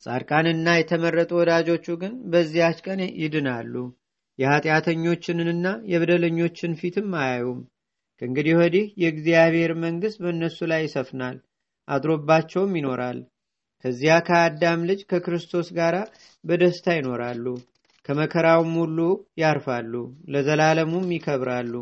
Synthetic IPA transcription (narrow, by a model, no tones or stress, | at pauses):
sʼa̰ɾkʼanɨnːajɛt̪ʰəmərːət̪ʼuwɔd̪ad͡ʒo̞t͡ʃːuɡɨnbəzːijat͡ʃkʼənjɪd̪ɨnalːu | jɛhat̪ʼjat̪ʰəɲːo̞t͡ʃːɪnɨnɨnːajɛβəd̪ələɲːo̞t͡ʃːɪnfit̪ʰɨmːajajum | kʰəɨŋɡɨd̪iwod̪ihjɛɡzijaβhe̞ɾməŋɡɨst̪̚bənːəsːulajːɪsəfnal | ʔad̪ɾo̞bːat͡ʃːɛwmjɪno̞ɾʔa̰l | kʰəzːijakʰəad̪ːamlɨd͡ʒkʰəkɨɾɨst̪ʰo̞sɡaɾa | bəd̪əst̪ʰajɪno̞ɾalːu | kʰəməkʰəɾawmhulːujaɾfalːuləzəlaləmumːikʰəβɾalːu